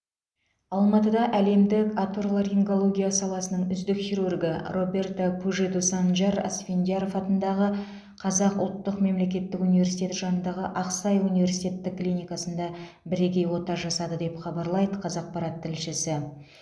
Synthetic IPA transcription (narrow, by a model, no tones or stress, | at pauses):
ɑlˠmɑt̪əd̪ɑʔæle̞md̪ɪkat̪orlˠaɾeŋko̞lˠo̞ɡʲijasɑlˠɑsənəɴʏzd̪ɪkt̪iɾurɡɪ̰ro̞be̞rt̪akʰuʒed̪usanʒɑɾɑ̰sfʲend̪ijaɾo̞fɑt̪ənd̪ɑʁə | qʰɑzɑqʊlˠt̪ːəqme̞mle̞k̬ʲe̞t̪ːɪkunivʲe̞ɾsijt̪ʲe̞t̪ʒɑnənd̪ɑʁəʔɑqsɑjunive̞ɾsijt̪ʲe̞t̪ːɪkːlijnʲijkɑsənd̪ɑ | bɪɾe̞kʲe̞jwo̞t̪ɑʒɑsɑd̪əd̪e̞pχɑbɑɾlˠɑjd̪əqʰɑzɑq̚pɑɾɑt̪ʰːɪlʃɪsɪ